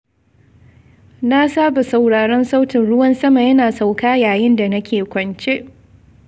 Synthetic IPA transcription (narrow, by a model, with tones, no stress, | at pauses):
na˦saː˦ba˨sa˨wɽaː˨ɽɐ˦nsa˦wtɪ˨nɽʊ˦wɐ˦nsɐ˦ma˨jɐ˦naː˨sa˨wkaː˦jaː˨jɪ˦nda˨nɐ˦kʲʰeː˨kʷɐ˨nt͡ʃe˦ʔ